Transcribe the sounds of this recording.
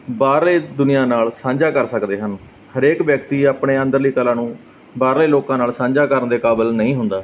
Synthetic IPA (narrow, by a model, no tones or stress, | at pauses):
baːɾleːd̪ʊnɪjãːnaːlsãːɲd͡ʒaːkəɾsəkd̪eːɦən | həɾeːkʋjəkt̪iːaːpɳeːə̃nd̪əɾliːkəlãːnũː | baːɾleːloːkãːnaːlsãːɲd͡ʒaːkəɾənd̪eːkaːbəlnəĩːɦʊnd̪aː